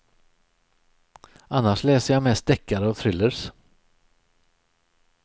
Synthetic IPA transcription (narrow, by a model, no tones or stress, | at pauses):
ʔanːaʂlɛːsəjamɛst̪̚d̪ɛkʰːaɾəɔt̪ʰɾʏlːəɾs